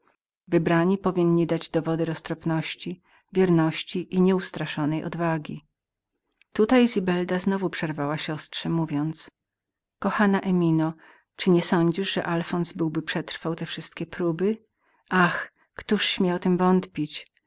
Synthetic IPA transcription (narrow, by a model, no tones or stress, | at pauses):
vɘbɾaɲipɔvʲiɲːid̪ad͡ʑd̪ɔvɔd̪ɛɾɔst̪ɾɔpnɔɕt͡ɕi | vʲjɛɾnɔɕt͡ɕiʔiɲɛust̪ɾaʂɔnɛjʔɔ̰d̪vaɡʲi | t̪ut̪ajzʲibɛld̪aznɔvupʂɛɾvawaɕɔstʂɛmuvʲjɔnt̪s | kɔxanaʔɛmʲinɔ | t͡ʂɘɲɛsɔɲd͡ʑiʐʐɛʔalfɔnzbɘwbɘpʂɛt̪ɾfawt̪ɛfʂɘst̪̚kʲɛpɾubɘ | ax | kt̪uʂɕmʲjawt̪ɘmvɔnt̪pʲit͡ɕ